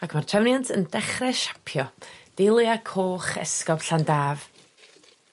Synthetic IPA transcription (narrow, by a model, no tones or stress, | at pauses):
akʰmartʰrɛvnjantʰəndɛχrɛʃḁpʰjɔd̥elˠiakʰoːχɛ̰skɔb̥ɬandaːv̥